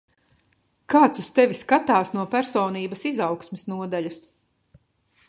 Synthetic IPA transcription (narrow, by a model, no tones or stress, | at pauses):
kaːt̪sust̪ɛviskat̪aːsnuɔpæɾsɔːniːbɐsizawksmisnuɔd̪aʎʲɐs